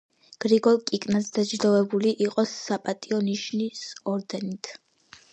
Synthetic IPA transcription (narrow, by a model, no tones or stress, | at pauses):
ɡ̥ɾiɡɔlˠkʼikʼnasd̪ad͡ʒɾd̪ɔvɛbuliʔiqʼɔsːapʼat̪ʼiɔniʃnisɔɾd̪ɛnit̪ʰ